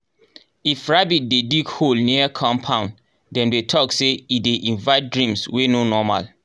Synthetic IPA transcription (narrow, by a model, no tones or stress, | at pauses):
ifɹabit̚dediɡholniəkʰɔ̃mpʰãʊ̃n | dɛ̃mdetʰɔkseideʔĩnvaɪt̚dɹĩmswenonɔma̰l